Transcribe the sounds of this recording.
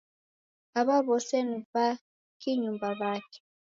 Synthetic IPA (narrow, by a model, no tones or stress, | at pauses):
aβaβosenuβa | kiɲumbaβake̥